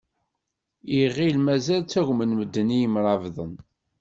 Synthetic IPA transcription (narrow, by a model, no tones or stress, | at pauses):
iʁilmæzælt͡sːæʝmənməd̪ːənijəmɾˤɑvðˤən